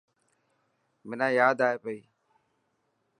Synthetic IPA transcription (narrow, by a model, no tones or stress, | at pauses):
mɪnãːjaːd̪aːɦeːpəiː